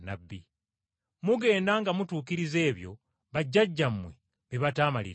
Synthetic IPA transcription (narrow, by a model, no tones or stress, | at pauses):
nabːi | muɡe̞ːndaŋɡamutuːkiɾize̞ːβjo̞̰ | βaɟːaɟːammwḛ | βiβataːmalḭ